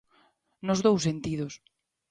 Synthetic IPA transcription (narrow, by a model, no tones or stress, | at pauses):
nozðowsːent̪ið̞os